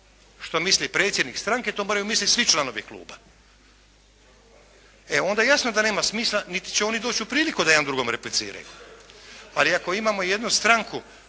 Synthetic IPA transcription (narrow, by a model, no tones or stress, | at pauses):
ʃt̪o̞mislipɾe̞ːt̪sjed̪nikst̪ɾaŋke̞t̪omoːɾajumislit̪sʋit͡ʃlˠano̞ʋiklˠṵːba | eond̪ajejasnod̪aneːmasmiːslˠanit̪i̥t͡ɕeo̞nid̪o̞ːt͡ɕupɾiːlikud̪ajand̪ɾuɡo̞mɾeplit̪sḭːɾa̰jṵ | aliako̞imaːmo̞je̞d̪nust̪ɾaŋku